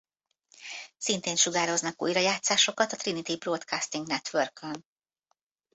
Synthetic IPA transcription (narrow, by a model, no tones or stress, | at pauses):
sint̪eːnʃuɡaːɾo̞znɒkṵjɾɒjaːt̪saːʃo̞kɒt̪ɒt̪rɾinit̪ibroːt̪kʰast̪iŋɡnɛt̪ʋørkøn